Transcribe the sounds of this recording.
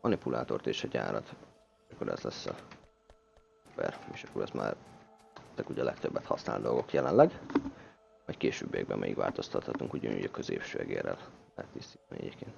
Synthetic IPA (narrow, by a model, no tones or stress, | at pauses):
mɒnipulʔaːt̪o̞rt̪eːʃɒɟaːɾɒt̪ː | ʃɒkːoɾɛzlɛsːɒ | uubɛreːʃɒkːoɾɛzmaːr | t̪ːɛkuɟɛlɛkt̪øbːɛt̪hɒsnaːld̪o̞lɡo̞kjɛlɛnlɛɡ | vɒckeːʃøːbːiɛɡ̚bɛmʔɛjikva̰ːlt̪o̞st̪ɒt̪hɒt̪uŋkuɟɔnṵːɟɒkøzeːpʃøːɛɡeːrɛllɛɦɛt̪ːist̪it̪ɛniʔɛ̰ɟeːpkeːnt̪